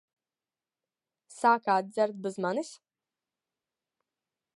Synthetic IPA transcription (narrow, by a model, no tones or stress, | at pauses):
saːkaːt̪̚d̪zæɾt̪̚bɨzmanis